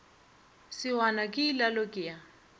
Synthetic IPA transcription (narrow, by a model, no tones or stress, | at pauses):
sɪwanakʼɪːlalokʼɪja